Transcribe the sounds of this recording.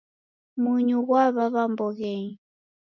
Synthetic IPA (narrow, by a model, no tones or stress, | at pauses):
muɲuɣwaβaβambɔɣɛɲ